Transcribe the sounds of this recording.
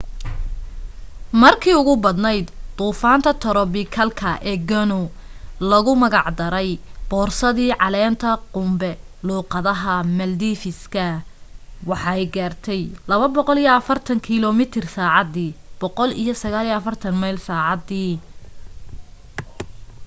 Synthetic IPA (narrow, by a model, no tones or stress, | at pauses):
mɐrkʰiːʊɣʊbɐd̪nɛjd̪t̪uːfaːnt̪ʰɐt̪ʰɔɾɔbɪkʰɐlkʰɐʔɛːɡɐnu | lɐɣʊmɐɣɑʕd̪ɐɾɛjb̥ɔːrsɐðiːʕɑlɛːnt̪ʰɐqʊmbɛ | luːqɑðɐɦɐmɐld̪iːfɪskʰɐ | wɑħɑɛjɡaːrt̪ʰɛjlɐβɐbɔqɔlijɔɐfɐrt̪ʰɐŋkʰilɔmɪt̪ʰɪrsaːʕɑd̪iːb̥ɔqɔlḭjɞsɐɣaːlijɐfɐrt̪ʰɐnmɐjlsaːʕɑd̪iː